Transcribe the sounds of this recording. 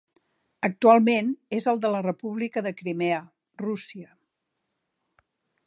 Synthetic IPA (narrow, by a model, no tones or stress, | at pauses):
ək̚t̪ualˠmenezəlˠd̪ələrəpuβ̞likəðəkɾimeə | rusiə